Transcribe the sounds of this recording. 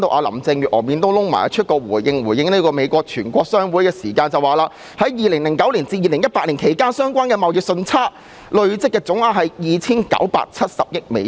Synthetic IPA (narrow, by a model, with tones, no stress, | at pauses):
t̪o˧ʔa̰ː˨˧lɐ̰˨˩mt͡sɪ˧ŋjyː˨t̚ʔɔː˨˩miː˨˧nt̪o˥wlʊ˥ŋma̰ː˨˩jt͡ʃʰɵ˥t̚kɔː˧wuː˨˩jjɪ˧ŋwuː˨˩jɪ˧ŋnli˥kɔː˧me˨˧jkʷɔː˧k̚t͡ʃʰyː˨˩nkʷɔː˧k̚sœː˥ŋwuː˨˥jkɛː˧siː˨˩kaː˧nt͡sɐ˨waː˨˩laː˧ | hɐ˨˥jjiː˨˧lɪ˨˩ŋlɪ˨˩ŋkɐ˨˥wliː˨˩nt͡siː˧jiː˧lɪ˨˩ŋjɐ˥t̚paː˧k̚liː˨˩nkʰe˨˩jkaː˥nsœː˥ŋkʷaː˥nkɛː˧mɐ˨wjɪ˨k̚sɵ˧nt͡sʰaː˥ | lɵ˨˧ɥt͡sɪ˥kːɛː˧t͡sʊ˨˥ŋaː˨˩ɦɐ˨jjiː˨t͡sʰiː˥nkɐ̰˨˥wpa̰ː˧k̚t͡sʰɐ˥t̚sɐ˨p̚jɪ˥k̚mḛ˨˧